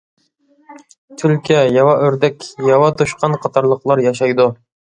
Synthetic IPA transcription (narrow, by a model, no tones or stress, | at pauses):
t̪ʰylkʲʰɛjɑwɑʔøɾd̪ɛkʲjɑwɑt̪ʰuʃqɑnqʰɑt̪ʰɑɾlˠəqlˠɑɾjɑʃ̬ɑjd̪u